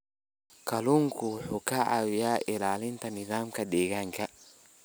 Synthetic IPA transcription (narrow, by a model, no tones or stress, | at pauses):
kɐluŋkʰʊħʊkaʔa̰wjaʔɪlaːlɪnt̪ɐnɪðaːmkɐɗɛːɣaŋkʰɐ